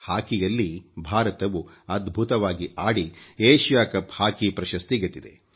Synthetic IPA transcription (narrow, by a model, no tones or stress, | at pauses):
haːkijɐlːibʱaːɾɐt̪ɐʋu | ɐd̪bʱut̪ɐʋaːɡiʔaːɽieːʃjaːkɐphaːkipɾɐʃɐst̪iɡɐt̪ːid̪ḛ